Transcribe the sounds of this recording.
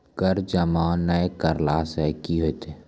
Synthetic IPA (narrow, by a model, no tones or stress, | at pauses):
kəɾd͡ʒəmaːnːəekəɾlaːsɛkiɦoet̪ʰeː